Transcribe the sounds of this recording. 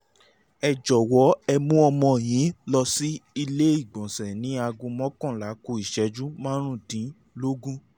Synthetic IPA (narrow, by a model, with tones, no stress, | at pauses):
ɛ˨d͡ʒɔ˨wɔ˨˦ɛ˧mũ˦ɔ˧mɔ̃˧˨j̃ĩ˨˦lɔ˧si˦i˧le˦i˦˨ɡ͡bɔ̃˨sɛ˨nĩ˨˦a˧ɡũ˧mɔ̃˦kɔ̃˦˨la˨˦ko˧˨i˨ʃɛ˨˦d͡ʒũ˦mãː˦ɾ̃ũ˦˨tĩ˨˦ | lo˦ɡũ˦